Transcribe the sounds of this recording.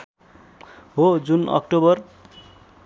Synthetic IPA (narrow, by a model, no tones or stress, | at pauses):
ɦod͡zunʌ̰kʈobʌr